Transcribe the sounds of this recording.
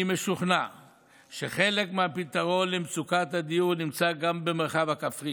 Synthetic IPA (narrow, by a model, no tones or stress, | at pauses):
me̞ʃuχna | ʃeχe̞lekmeapit̪aʁo̞nlemt͡sukat̪had̪ijuʁnimt͡saɡambe̞meʁχavhakafʁi